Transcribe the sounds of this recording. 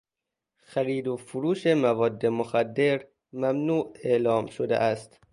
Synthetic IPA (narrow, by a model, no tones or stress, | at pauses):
xæɾiːd̪ofuɾuːʃemævɒːd̪ːemoxæd̪ːe̞ɾ | mæmnuːelɒːmʃod̪ḛʔæst̪